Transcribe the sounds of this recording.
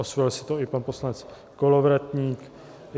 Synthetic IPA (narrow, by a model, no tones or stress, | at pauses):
osvɛlsɪ̥t̪oɪpanposlanɛt͡s | kolovɾɛt̪ɲiːk